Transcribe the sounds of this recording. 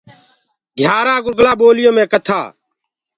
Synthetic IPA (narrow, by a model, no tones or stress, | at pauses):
ɡʱjaːɾaːɡʊɾɡlãːɓoːlɪjõːmẽːkət̪ʰa̰ː